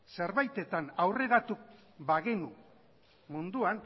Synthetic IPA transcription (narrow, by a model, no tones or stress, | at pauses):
se̞ɾβajt̪e̞t̪anawre̞ɾat̪u | baɣenu | mund̪uan